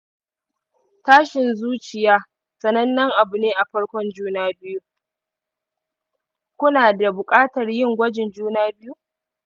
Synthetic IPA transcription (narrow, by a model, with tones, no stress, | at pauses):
taː˦ʃɪ˨nzuː˦t͡ʃɪ˨jaː˦ | sɐ˨nɐ˦nːɐ˦ŋʔa˨bʊ˨neː˦ʔa˨ɸɐ˦ɽkʷɔ˦nd͡ʒuː˦naː˦bɪ˦ju˦ | kʷʊ˦naː˨da˨bʊ˨kʼaː˦tɐ˨rjɪ˦ŋɡʷɐ˦d͡ʒɪ˨nd͡ʒuː˦naː˦bɪ˦ju˦